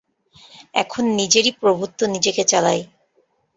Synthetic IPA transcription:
ɛ̰kʰonːid͡ʑeɾipɾobʱut̪ːonid͡ʑeket͡ɕalaj

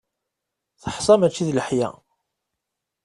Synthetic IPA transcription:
θəħsˤɑmæt͡ʃːiðləħjæ̰

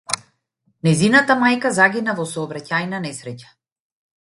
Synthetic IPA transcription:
nɛjzinat̪amajkazaɡʲinavɔsɔːbɾacajnanɛsɾɛcḁ

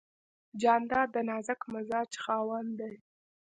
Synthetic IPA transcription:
d͡ʒɑnd̪ɑd̪ənɑzakmazɑd͡ʒxɑwand̪aj

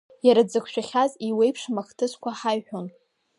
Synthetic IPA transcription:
jaɾad͡zɨkʷʰʃᶣaχʲaziwe̞jpʰʂmaχtʰɨskʷʰaħajħʷᶣon

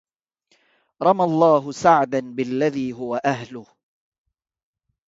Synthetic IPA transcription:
ɾˤɑmalˤːɑːɦʊsaʕd̪anbɪlːaðiːɦʊwaʔaɦlʊh

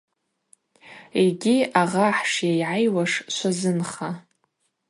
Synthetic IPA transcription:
iɡʲiaʁaħʂjajʕajwaʂʃʷazɨnχa

